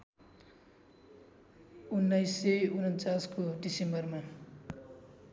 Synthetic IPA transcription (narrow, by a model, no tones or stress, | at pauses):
unːʌjsːeunʌnt͡saskoɖisembʌrma